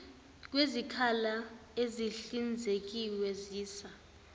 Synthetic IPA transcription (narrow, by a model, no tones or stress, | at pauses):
k̬wezikʰalaeziɬind͡zʱek̬iwɛziːsa